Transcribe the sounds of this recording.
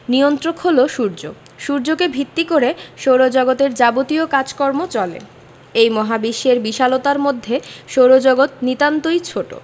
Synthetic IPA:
nijont̪ɾokholoʃuɾd͡ʑo̰ | ʃuɾd͡ʑokebʱit̪ːikoɾeʃoɾod͡ʑɔɡot̪eɾd͡ʑabot̪iokad͡ʑkɔɾmot͡ɕɔlḛ | ejmɔɦabiʃːeɾbiʃalot̪aɾmod̪ʱːeʃoɾod͡ʑɔɡot̪̚nit̪ant̪ojt͡ɕʰoʈo̰

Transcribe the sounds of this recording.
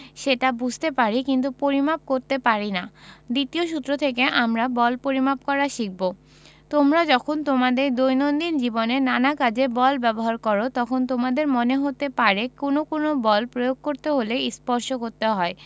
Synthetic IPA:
ʃeʈabud͡ʑʱt̪epaɾikint̪̬upoɾimap̚koɾt̪epaɾinad̪it̪ioʃut̪ːɾot̪ʰekeʔamɾabɔlpoɾimapkɔɾaʃik̚bo | t̪omɾad͡ʑɔkʰont̪omad̪eɾd̪ojnond̪ind͡ʑibonenanakad͡ʑebɔlbɛboɦaɾkɔɾot̪ɔkʰont̪omad̪eɾmoneɦot̪epaɾekonokonobɔlpɾojoɡ̚koɾt̪eɦolespɔɾʃokoɾt̪eɦɔe

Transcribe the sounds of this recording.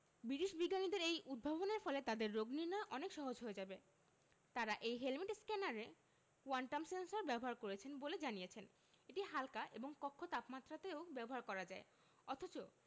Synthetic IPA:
biɾiʃbiɡːanid̪eɾejud̪̚bʱaboneɾfɔlet̪ad̪eɾːoɡniɾnaʔɔnekʃɔɦod͡ʑɦoed͡ʑabe | t̪aɾaʔejɦelmiʈskɛnaɾe | kwaɳʈamsensoɾbɛboɦaɾkoɾet͡ɕʰenboled͡ʑanijet͡ɕʰen | eʈiɦalkaʔeboŋkɔkʰːot̪apmat̪ːɾat̪eobɛboɦaɾkɔɾad͡ʑae | ɔt̪ʰot͡ɕo

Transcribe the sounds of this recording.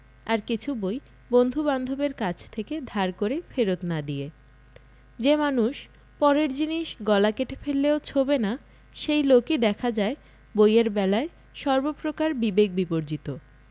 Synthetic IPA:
aɾkit͡ɕʰuboj | bond̪ʱuband̪ʱobeɾkat͡ɕʰt̪ʰeked̪ʱaɾkoɾefeɾot̪nad̪ie | d͡ʑemanuʃ | pɔɾeɾd͡ʑiniʃɡɔlakeʈefʰelːeot͡ɕʰobena | ʃejlokid̪ɛkʰad͡ʑae | bojeɾbɛlae | ʃɔɾbopɾokaɾbibek̚bipoɾd͡ʑit̪o

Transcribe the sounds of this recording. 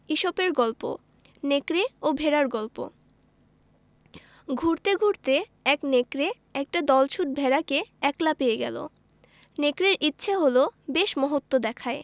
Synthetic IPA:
iʃopeɾɡɔlpo̰ | nekɾeobʱeɾaɾɡɔlpo̰ | ɡʱuɾt̪eɡʱuɾt̪eɛknekɾe | ɛk̚ʈad̪ɔlt͡ɕʰuʈ̚bʱeɾakeɛklapejeɡɛ̰lo̰ | nekɾeɾʔitːɕʰeɦolobeʃmɔɦot̪ːod̪ɛkʰae

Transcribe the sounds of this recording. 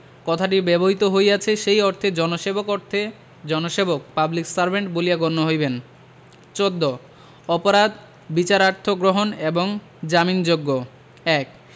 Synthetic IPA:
kɔt̪ʰaʈ̬ibɛboɦit̪oɦojat͡ɕʰeʃejɔɾt̪ʰed͡ʑɔnoʃebokoɾt̪ʰe | d͡ʑɔnoʃebok̚pabliksaɾbʱeɳʈbolijaɡonːoɦojben | t͡ɕod̪ːo | ɔpoɾad̪ | bit͡ɕaɾaɾt̪ʰoɡɾoɦoneboŋ | d͡ʑamind͡ʑoɡːo | ɛk̚

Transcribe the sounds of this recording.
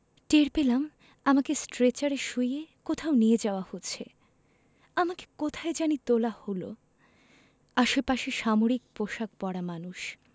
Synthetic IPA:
ʈeɾpelam | amakesʈɾet͡ɕaɾeʃujekot̪ʰaonijed͡ʑaoahotːɕʰe | amake̥kot̪ʰaed͡ʑanit̪olaholo̰ | aʃepaʃeʃamoɾik̚poʃak̚pɔɽamanuʃ

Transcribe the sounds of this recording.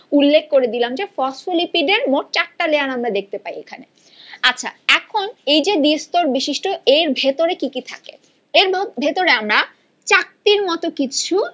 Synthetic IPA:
ulːekʰkoɾed̪ilamd͡ʑefɔsfilipiɖeɾmoʈ̚t͡ɕak̚ʈaleanamɾad̪ek̚ʰt̪epajekʰanḛ | atːɕʰa̰ɛkʰonejd͡ʑed̪ist̪oɾbiʃiʃʈoeɾbʱet̪oɾekikit̪ʰakḛ | eɾbʱet̪oɾeamɾa | t͡ɕak̚t̪iɾmɔt̪okit͡ɕʰu

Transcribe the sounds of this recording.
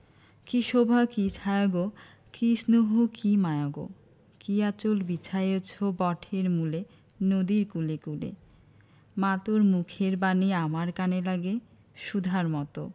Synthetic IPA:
kiʃobʱakit͡ɕʰajoɡo | kisnoɦukimajoɡo̰ | kiat͡ɕolbit͡ɕʰajot͡ɕʰobɔʈʰeɾmule | nod̪iɾkulekulḛ | mat̪oɾmukʰeɾbaniamaɾkanelaɡe | ʃud̪ʱaɾmɔt̪o

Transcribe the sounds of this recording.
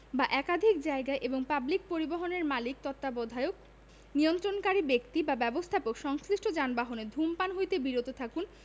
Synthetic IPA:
baʔɛkad̪ʱik̚d͡ʑaeɡaeʔeboŋpablik̚poɾiboɦoneɾmalik̚t̪ɔt̪ːabɔd̪ʱaeok̚ | niont̪ɾonkaɾibekt̪ibabɛbost̪ʰapokʃɔŋsliʃʈʰod͡ʑanbaɦoned̪ʱumpanɦojt̪ebiɾot̪ot̪ʰakun

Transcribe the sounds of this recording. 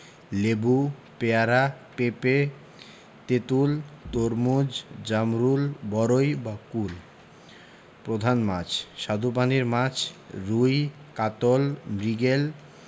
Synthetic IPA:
lebu | peaɾa | pepe | t̪et̪ult̪oɾmud͡ʑd͡ʑamɾulbɔɾojbakul | pɾod̪ʱanmat͡ɕʰʃad̪ʱup̬aneɾmãt͡ɕʰɾuj | kat̪olmɾiɡel

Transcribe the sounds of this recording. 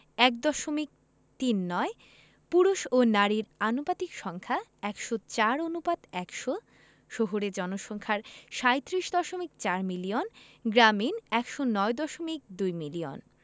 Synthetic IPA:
ɛkd̪ɔʃomik̚ | t̪inːɔe | puɾuʃonaɾiɾanopat̪ikʃɔŋkʰaɛkʃot͡ɕaɾonupad̪ɛkʃo | ʃoɦoɾed͡ʑɔnoʃɔŋkʰaɾʃajt̪ːɾiʃd̪ɔʃomik̚t͡ɕaɾmilionɡɾaminɛkʃonɔed̪ɔʃomik̚d̪ujmilio̰n

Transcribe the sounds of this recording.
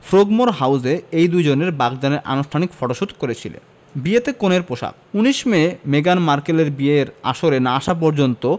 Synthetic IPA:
fɾoɡmoɾɦawzeejd̪ujd͡ʑoneɾbaɡd̪aneɾʔa̰nuʃʈʰanikfɔʈoʃud̪ʱkoɾet͡ɕʰilḛn | biet̪ekoneɾpoʃa̰k̚ | uniʃmemeɡanmaɾkeleɾbieɾa̰ʃoɾenaaʃap̬ɔɾd͡ʑont̪o

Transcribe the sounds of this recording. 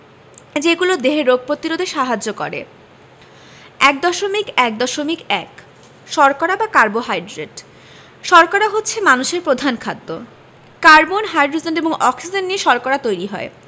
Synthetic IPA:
d͡ʑeɡulod̪eɦeɾːoɡ̚ʱpɾot̪iɾod̪ʱeʃaɦad͡ʑokɔ̰ɾḛ | ɛk̚d̪ɔʃomikɛk̚d̪ɔʃomikɛk | ʃɔɾkaɾabakaɾboɦajɖɾeʈ | ʃɔɾkaɾaɦotːɕʰemanuʃeɾpɾod̪ʱankʰad̪ːo | kaɾbonɦajɖɾod͡ʑenɖeboŋɔksid͡ʑenːiʃɔɾkaɾat̪ojɾiɦɔ̰e

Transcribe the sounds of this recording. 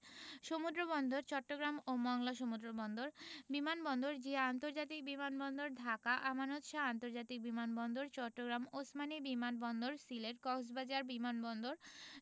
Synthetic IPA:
ʃomud̪ɾobɔnd̪oɾt͡ɕɔʈːoɡɾamomɔŋlaʃ̬omud̪ɾobɔnd̪oɾbimanbɔnd̪oɾd͡ʑiant̪oɾd͡ʑat̪̬ik̚bimanbɔnd̪oɾd̪ʱakaʔamanot̪ʃaant̪oɾd͡ʑat̪ik̚bimanbɔnd̪oɾt͡ɕɔʈːoɡɾamosmanibimanbɔnd̪oɾsileʈkɔks̬bad͡ʑaɾbimanbɔnd̪oɾ

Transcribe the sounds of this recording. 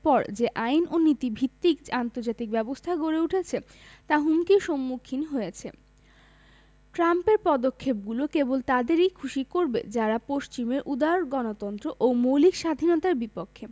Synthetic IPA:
pɔɾd͡ʑeʔainonit̪ibʱit̪ːikant̪oɾd͡ʑat̪ik̚bɛbost̪ʰaɡoɾeuʈʰet͡ɕʰe | t̪aɦumkiʃomːukʰinɦojet͡ɕʰe | ʈɾampeɾpɔd̪okʰːep̚ɡulokebolt̪ad̪eɾejkʰuʃikoɾbḛd͡ʑaɾapoʃt͡ɕimeɾʔud̪aɾɡɔnot̪ɔnt̪ɾoʔomowlikʃad̪ʱinɔt̪aɾbipokʰːe

